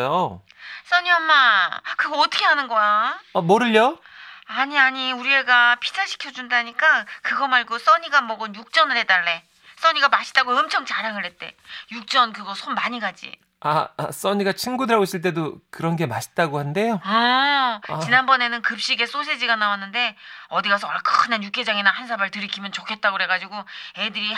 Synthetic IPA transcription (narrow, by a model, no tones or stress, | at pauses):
jo | s͈ʌɲiɦamːakɯɡʌʌtʰʌkʰeɦanɯnɡʌjaʌmoɾɯʎːo | aɲiaɲiuɾie̞ɡapʰi̥tʰaɕʰi̥kʰjʌd͡ʑundaɲik͈akɯɡʌmaɭɡos͈ʌɲiɡamʌɡɯnjuk̚t͡ɕ͈ʌnɯɾe̞t͈aɭːe̞ | s͈ʌɲiɡamaɕʰi̥t͈aɡoɯmt͡ɕʰʌŋt͡ɕaɾaŋɯɭɾɦe̞t̚t͈e̞̰juk̚t͡ɕ͈ʌnkɯɡʌsʰomːaɲiɡad͡ʑḭ | as͈ʌɲiɡat͡ɕʰinɡudɯɾaɡois͈ɯɭt͈e̞dokɯɾʌnɡe̞maɕʰi̥tt͈aɡohande̞joʌ | t͡ɕinanbʌne̞nɯnkɯp̚ɕ͈iɡe̞s͈os̬ʰed͡ʑiɡanawanːɯnde̞ʌdiɡas̬ʰʌkɯnanjuk͈e̞d͡ʑaŋinahansʰabaɭtɯɾikʰimjʌnt͡ɕokʰe̞t̚t͈aɡoɾe̞ɡad͡ʑiɡoe̞dɯɾi